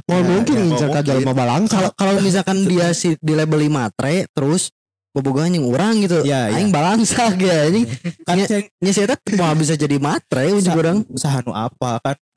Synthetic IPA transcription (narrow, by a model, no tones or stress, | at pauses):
maamuŋkɪnŋiɲt͡ʃarkad͡ʒalmabalaŋsalkalomis̬alkandiasidilebəlimat̪ɾet̪əɾʊs | bəboɡaanjaŋuɾaŋɡit̪̬ujajaŋbalaŋsakjaɲɪaɲaɲasiat̪amaabis̬ad͡ʒadimat̪ɾeuɲt͡ʃʊkuɾaŋsaɦanṵʔa̰pakan